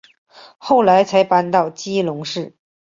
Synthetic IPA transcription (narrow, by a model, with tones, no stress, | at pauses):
xo˥˩ʊla˧˥ɪt͡sʰa˧˥ɪpa˥nt̪ɑ˥˧ʊt͡ɕi˥lʊ˧˥ŋʂɻ̩˥˩